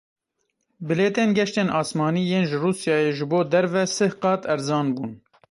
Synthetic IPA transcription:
bɪleːt̪eːnɡɛʃt̪eːnʔɑːsmɑːniːjeːnʒɨruːsjɑːjeːʒɨboːd̪ɛɾvɛsɨhqɑːt̪ʰɛɾzɑːnbuːn

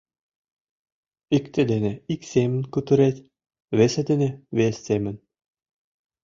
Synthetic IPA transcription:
ikt̪ʲĕd̪eneiksemɘ̆nʲkut̪ɘ̆ɾet̪ʲ | βesĕd̪ĕneβesːemɘ̆nʲ

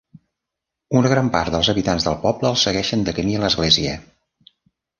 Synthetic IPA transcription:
unəɣɾampa̰rt̪d̪əlˠzəβit̪anzðəlˠpɔbləːlˠsəɣɛʃənd̪əkəmiələzɣleziə

